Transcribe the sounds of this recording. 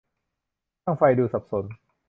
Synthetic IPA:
aː˥˩ŋfa˧jduː˧sa˨˩p̚so˩˦n

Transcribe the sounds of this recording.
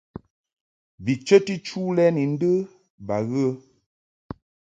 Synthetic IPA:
bi˨t͡ʃə˦ti˦t͡ʃu˦lɛ˦ni˨n̩˦də˦ | ba˨ɣə˦

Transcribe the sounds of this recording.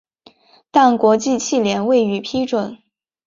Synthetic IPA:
t̪a˥˩nkwɔ˧˥t͡ɕi˥˧t͡ɕʰi˥˩ljɛ˧˥nwe˥˩ɪy˨˩pʰi˥ʈ͡ʂwə˨˩˦n

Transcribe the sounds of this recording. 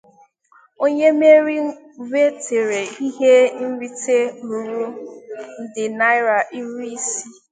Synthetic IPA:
o˦ɲe˦me˦ɾi˦ | ve˦tʰe˨ɾe˨i˦ɦe˦n̩˦ɾi˦te˦mu˨ɾu˦n̩˦dɪ˨na˦ɪ˦ɾa˨ʔi˦ɾi˦i˦si˦

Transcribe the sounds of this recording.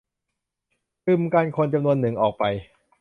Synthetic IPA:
pɯ˧˩mkaː˧nkʰo˧nt͡ɕa˧mnu˧ənːɯ˨˩ŋʔɔː˨˩k̚pa˧j

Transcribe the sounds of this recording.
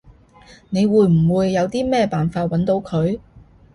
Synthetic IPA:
ne˨˧jwuː˨˧jm̩˨˩wuː˨˧jːɐ˨˧wt̪iː˥mɛː˥˧paː˨nfaː˧t̚wɐ˨˥nt̪o˨˥wkʰɵ˨˧ɥ

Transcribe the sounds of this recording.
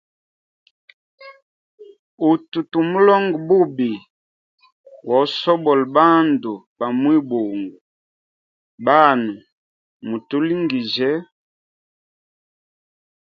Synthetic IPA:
u˨tu˨tu˨mu˦lɔ˦ŋɡbu˦bi˨ | wɔ˨˦sɔ˦bɔ˨lba˦ndu˨ | ba˨mwi˦bo˨ŋɡu˨ | ba˦nu˨ | mu˨tu˦li˦ŋɡi˨ʒɛ˦

